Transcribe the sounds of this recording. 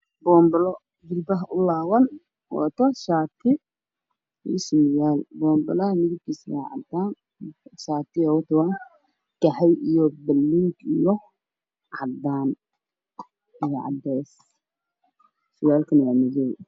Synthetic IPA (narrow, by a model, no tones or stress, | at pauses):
bɔːmbɐlɔ | d͡ʒɪlbɐɦʔʊlaːwɐn | wɔ̰t̪ʰɔʃaːt̪ʰɪ | ɔsɪmɪjaːlbɔːmbɐlɐmɪðɪb̚kʰisja̰ʕɑ̰t̪ːaːn | ʃaːt̪ɪawt̪ɔwa | kɐħɛjijɔbɐlːiŋɡijɔ | ʕɑ̰d̪aːn | ijɔʕɑ̰d̪ɛːs | ʃɪjaːlkʰɐnɛmɐd͡ʒɛj